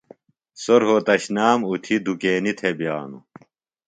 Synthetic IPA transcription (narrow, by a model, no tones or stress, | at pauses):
soɾɦot̪ɐɕnaːmut̪ʰid̪ukeːnit̪ʰebjaːnṵ